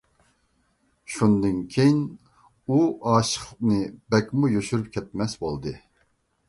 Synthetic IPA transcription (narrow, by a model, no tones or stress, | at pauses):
ʃund̪ɨnkʲʰejin | uɑːʃə̥χnɨbɛkʲmujøʃyɾyp̚kʲʰɛt̪̚mɛsbolˠd̪ɨ